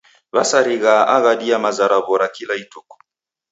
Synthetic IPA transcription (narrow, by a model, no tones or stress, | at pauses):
βasaɾiɣaʔaɣaɗiamazaɾaβɔɾakilaitɔkɔ̥